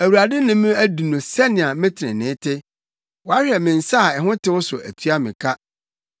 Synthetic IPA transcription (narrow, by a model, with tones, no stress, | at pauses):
æ˨wu˨ɾa˨dɪ˦nʊ̃˦mʊ̃˦æ˦du˨nʊ̃˨sɛ˦nɪ̃˨a˨mɪ̃˦tʰɪ˨ɪ̰̃˨nɪ̃˨˦tʰɪ˦ | wɔ˨a˦ɕᶣɛ˨mɪ̃˨n̩˨sa˦˨ɛ˨ɦʊ̃˦tɪ˦wʊ˦sʊ˨ʔæ̰˨tʰɥa˦mɪ̃˨kʰa˦